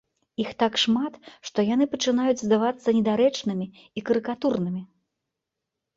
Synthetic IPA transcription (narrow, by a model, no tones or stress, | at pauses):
ixt̪akʂmat̪ʂt̪ɔjanɨpɐt͡ʂɨnajud͡zʲzd̪avat̪sːɐnʲɛd̪aɾɛt͡ʂnɨmʲi | ikɐɾɨkat̪urnɨmʲi